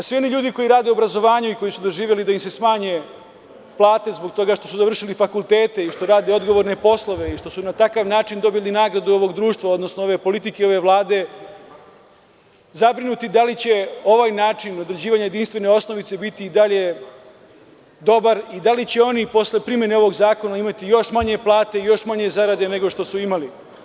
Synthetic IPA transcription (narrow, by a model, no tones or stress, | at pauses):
sʋio̞niʎuːd̪iko̞jiɾaːd̪e̞uobɾazo̞ʋaːɲuiko̞jisud̪o̞ʒiːʋjelid̪aimse̞smaːɲe̞ | plˠaːt̪e̞zbo̞ɡ̚t̪o̞ɡaʃt̪o̞suzaʋr̩ʂilifakult̪e̞ːt̪e̞iʃt̪o̞ɾaːd̪eo̞d̪ɡoʋo̞ɾnepo̞slˠo̞ʋe̞iʃt̪o̞sunat̪akaʋnaːt͡ʃind̪o̞bjeʎʲninaːɡɾad̪uo̞ʋo̞ɡd̪ɾuːʃt̪ʋao̞d̪no̞snoo̞ʋe̞po̞lit̪ikeo̞ʋe̞ʋlˠaːd̪e̞ | zabɾinut̪id̪alit͡ɕe̞o̞ʋaːjnaːt͡ʃino̞d̪ɾed͡ʑiːʋaɲaje̞d̪inst̪ʋe̞ne̞o̞sno̞ʋit̪se̞bit̪iid̪aʎe̞ | d̪o̞baɾid̪alit͡ɕe̞o̞nipo̞sle̞pɾimje̞neo̞ʋo̞ɡzaːko̞naimat̪ijo̞ʃmaɲe̞plˠaːt̪e̞ijo̞ʃmaɲe̞zaɾad̪e̞ne̞ɡo̞ʃt̪o̞suimali